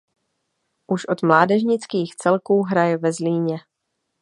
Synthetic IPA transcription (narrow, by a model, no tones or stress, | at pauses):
ʔuʃʔo̞t̪mlaːdɛʒɲɪt͡skiːxt͡sɛlkuːɦɾajɛvɛzliːɲɛ